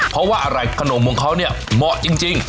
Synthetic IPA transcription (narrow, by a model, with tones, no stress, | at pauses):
pʰɔ˦˥waː˥˩ʔa˧ɾa˧˩jkʰa˧noː˨˧˦nmu˧əŋkʰa˦˥˩wni˥˩əmɔ˨˩ʔt͡ɕi˧ŋt͡ɕi˧ŋ